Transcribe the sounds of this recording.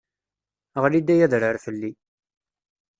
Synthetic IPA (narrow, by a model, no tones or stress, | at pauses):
ʁlid̪æjæðɾəɾfəlːi